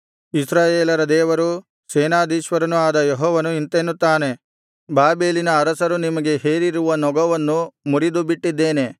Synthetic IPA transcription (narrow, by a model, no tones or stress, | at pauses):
isɾaːjeːlɐɾɐd̪ɛːʋɐɾu | seːnaːd̪iːʃʋɐɾɐnuaːd̪ɐjeɦɔːʋɐnuint̪enːut̪ːaːne̞ | baːbe̞ːlinɐːɾɐsɐɾunimɐɡe̞ɦeːɾiɾuʋɐnɔɡɐʋɐnːumuɾid̪ubiʈːid̪ːeːne̞